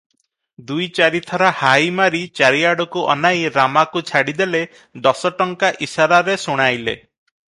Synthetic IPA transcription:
d̪ujt͡ʃaɾit̪ʰɔɾahajmaɾit͡ʃaɾiaɽɔkuʔɔ̰najɾamakut͡ʃʰaɽid̪ele | d̪ɔsɔʈɔŋkaʔisaɾaɾesuɽ̃ajlḛ

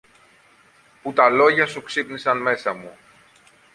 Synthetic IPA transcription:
put̪ɐlo̞ʝɐsuksipnisɐnme̞sɐmu

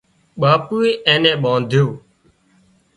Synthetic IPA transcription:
ɓaːpuːeːẽːnẽːɓãːnd̪ʱjoː

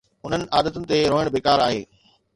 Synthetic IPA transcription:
ʊn̤ənɪ̆ʔaːd̪ət̪ʊnɪ̆t̪eɾoːɪɽ̃bʱeːkaːɾaːɦḛː

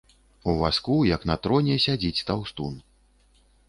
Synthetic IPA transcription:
uvaskujɐknɐt̪ɾɔnʲɛsʲad͡zʲit͡sʲt̪awst̪ṵn

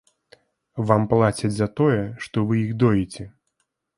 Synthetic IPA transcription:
vamplˠat͡sʲɐd͡zʲzɐt̪ɔjɛʂt̪ɔvɨjiɣd̪ɔjɛt͡sʲɛ

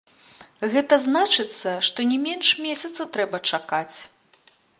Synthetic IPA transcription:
ɣɛt̪ɐznat͡ʂɨt̪sːɐʂt̪ɔnʲɛmʲenʂmʲesʲɐt̪sɐt̪ɾɛbɐt͡ʂakat͡sʲ

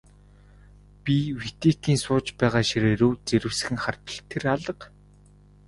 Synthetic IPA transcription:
pʲiwit̪et̪iːnsʊːt͡ɕpæːʁaːʃiɾeɾoːt͡seɾɘ̆wsɘ̆xɘ̆ŋχart̪ə̆ɬt̪ʰːeraɮə̆q

